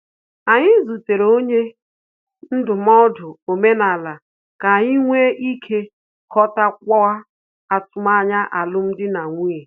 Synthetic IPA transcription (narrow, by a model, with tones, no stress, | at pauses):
a˨ɲɪ˦zu˨te˨ɾe˨o˦ɲe˦ | n̩˦dʊ˨m˦ɔ˦dʊ˨o˨me˦na˨la˨ | ka˨a˨ɲɪ˦ŋʷe˦ʔi˦kʰe˦ | kɔ˦ta˦kʷɔ˦a˦ | a˨tʊ˨ma˦a˦˨ɲa˦ʔa˨lʊ˦m̩˦dɪ˦na˨ŋʷi˦e˨